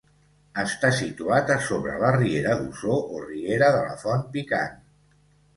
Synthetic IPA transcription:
əst̪asit̪uat̪əsoβɾə̰lərieɾəðuzoʔorieɾəðələ̰fɔnpika̰n

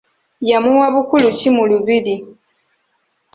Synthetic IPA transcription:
jamuwaβukulucimuluβili

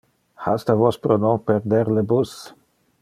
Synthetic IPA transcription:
hast̪avospɾonopeɾd̪eɾlebus

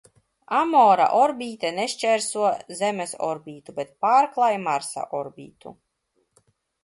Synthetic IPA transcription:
amɔːɾa̰ʔɔɾbʲiːt̪eneʃt͡ʃɛɾsuɔzɛmesɔ̰ɾbʲiːt̪ubet̪̚paːɾklˠajmaɾsa̰ʔɔɾbʲḭːt̪ṵ

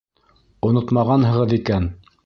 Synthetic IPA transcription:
ŏnot̪mɑʁɑnɦɤ̆ʁɤðikæn

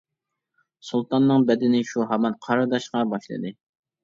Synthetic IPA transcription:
sulˠt̪ɑnːɨŋbɛd̪ɪnɪʃuɦɑmɑnqʰɑɾɨd̪ɑʃqɑbɑʃlˠɨ̰d̪ɨ

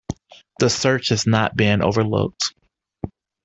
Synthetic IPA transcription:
ðəsɜ˞t͡ʃhɨznət̚b̥ɪ̃ŋʔo̰ʊvə˞lʊ̰k̚t

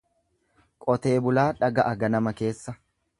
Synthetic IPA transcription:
kʼɔt̪e̞ːbʊlaːᶑɐɡɐʔɐɡɐnɐmɐke̞ːsːɐ

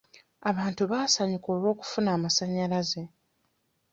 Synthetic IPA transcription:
aβaːntuβaːsaɲiko̞ːlwo̞ːku̥funaːmasaɲːalaze̞

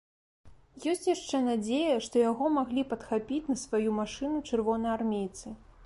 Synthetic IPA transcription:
jɔsʲt͡sʲjaʂt͡ʂɛnad͡zʲejɐʂt̪ɔjaɣɔmaɣlʲipɐt̪xapʲit͡sʲnɐsvajumaʂɨnut͡ʂɨrvɔnɐjarmʲejt̪sɨ

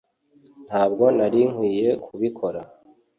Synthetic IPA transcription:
n̥haːb̚ɡo̞naɾiŋ̥wiːje̞kʰuβikʰo̞ɾa

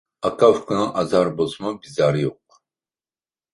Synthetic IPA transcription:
akʼavkʰʼunaʔazaɾbɔzmabizaɾijɔq̚ʼ

